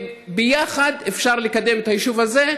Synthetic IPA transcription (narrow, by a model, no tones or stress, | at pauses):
bejaχad̪efʃaʁlekad̪e̞met̪ajiʃuvaze̞